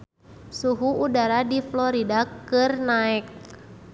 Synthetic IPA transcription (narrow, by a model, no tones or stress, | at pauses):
suɦuudaɾadiflɔɾidakɨrnaɪk̚